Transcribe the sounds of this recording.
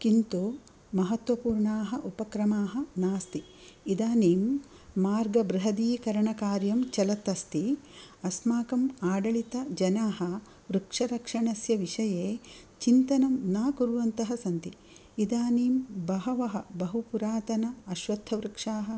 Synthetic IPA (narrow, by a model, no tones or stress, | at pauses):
kint̪oː | mɐɦɐt̪ʋɐpuːɾɳaːɦɐʔupɐkɾɐmaːɦɐ̆naːst̪i | id̪aːniːmː | aːɾɡɐbɾɪɦɐd̪iːkɐɾɐɳɐkaːɾjɐmt͡ʃɐlɐt̪ːɐst̪iɐsmaːkɐmaːɖɐɭit̪ɐd͡ʒɐnaːɦɐ̆ | ʋɾukʂɐɾɐkʂɐɳɐsjɐʋiʂɐjeː | t͡ʃint̪ɐnɐmnaːkuɾʋɐnt̪ɐɦɐsɐnt̪i | id̪aːniːmbɐɦɐʋɐɦɐbɐɦupuɾaːt̪ɐnɐɐʃʋɐd̪ʱːɐʋɾukʂaːɦɐ̆